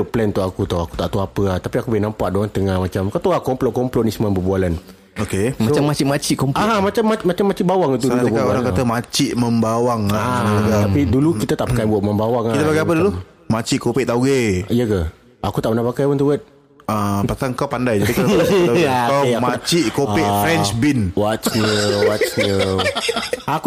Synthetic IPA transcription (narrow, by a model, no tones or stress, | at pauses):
plɛnt̪uakut̪oaku̥t̪aʔt̪uapəat̪apiakubjinampaʔdoant̪əŋahmat͡ʃamkat̪aakɔmplɔʔkɔmplɔʔnisəmabəbualan | okemaot͡ʃamːat͡ʃiʔmat͡ʃiʔkɔmpaɦamat͡ʃamːamat͡ʃamːat͡ʃiʔbawaŋit̪ududʊbaoɾaŋkat̪amat͡ʃiʔməmbawaŋaaɡat̪apidulukit̪at̪aʔpakajbuat̪̚məmbawaŋakit̪əpaɡajapədulu | mat͡ʃiʔkopɪʔt̪auɡeijəka | akut̪aʔbənahpakajpənt̪ubat̪̚ | apasaŋkawpandajd͡ʒikiakawamat͡ʃiʔkopɪʔfɾɛnt͡ʃbinwat͡ʃɲəwat͡ʃɲə | ak